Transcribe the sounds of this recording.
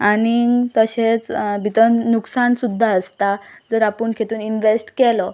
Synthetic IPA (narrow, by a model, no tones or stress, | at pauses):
anit̪əɕet͡sbʱit̪ənuksaɳsud̪ʱːaəst̪ad͡zəɾapəɳkʰet̪uːninʋesʈkɛlɔ